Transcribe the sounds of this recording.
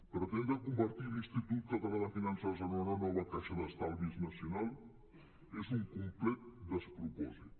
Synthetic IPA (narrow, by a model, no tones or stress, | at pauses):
pəɾt̪enzəkumbəɾt̪ilinst̪it̪ut̪̚kat̪aβaðafinansazonananɔβakaʃəðəst̪alβiznɐsjunalˠ | ezuŋkumplɛt̪̚d̪əspɾupɔzit̪